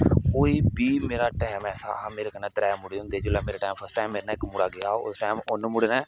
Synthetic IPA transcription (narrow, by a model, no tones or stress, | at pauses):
koːiːbiːmeːɾaːʈaːmɛːsa̰ːmeːɾekənːɛːt̪ɾɛːmʊɽiõd̪eːd͡ʒʊlaːmeːɾaːʈaːjmpʰəɾsʈaːjmːeːɾnaːɪkmʊɽaːɡɪjaːoʊsʈaːɪmʊnmʊɽnaː